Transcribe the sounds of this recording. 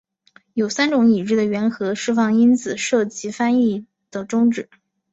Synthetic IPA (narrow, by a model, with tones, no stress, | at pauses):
jo˨˩ʊsa˥nʈ͡ʂʊ˧˥ŋi˨˩ɻ̩˥˩d̪ə˩ɥɛ˧˥nxɤ˧˥ʂɻ̩˥˧fɑ˥˩ŋi˥nt͡sʰɹ̩˨˩ʂɤ˥˩t͡ɕi˧˥fa˥ni˥˩ | d̪̥ə˩ʈ͡ʂʊ˥ŋʈ͡ʂɻ̩˨˩˦